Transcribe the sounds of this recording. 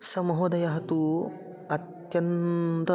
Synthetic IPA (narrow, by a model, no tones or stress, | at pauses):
sɐmɐɦod̪ɐjaɦɐt̪u | ɐt̪ | jɐnt̪ɐ